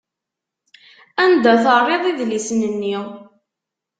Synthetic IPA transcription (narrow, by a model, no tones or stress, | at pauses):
ænd̪æθərˤːeðˤiðlisnənːi